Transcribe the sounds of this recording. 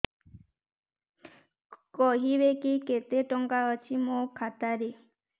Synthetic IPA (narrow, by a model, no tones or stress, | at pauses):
kʼɔɦiβekiket̪eʈɔŋɡaɔt͡ʃʰimɔkʰat̪aɾi